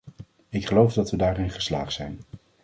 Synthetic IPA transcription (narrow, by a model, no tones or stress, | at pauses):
ɪkχəlowvdɑtʋədaːrɪnχə̥sla̰ːχtsɛjn